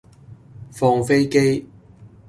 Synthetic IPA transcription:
fɔː˧ŋfe˥jke˥j

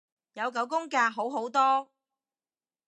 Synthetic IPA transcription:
jɐ˨˧wkɐ˨˥wkʊ˥ŋkaː˧ɦo˨˥wɦo˨˥wt̪ɔː˥

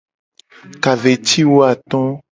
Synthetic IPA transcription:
ka˨ve˨t͡ɕi˦wo˦a˨t̪ɔ̃˦

